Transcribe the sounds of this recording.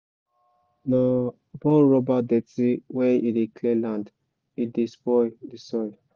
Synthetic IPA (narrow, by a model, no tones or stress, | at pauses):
na | bɔlɹɔbadɛtiwɛidekʰlɛlãnd | idispɔjdisɔj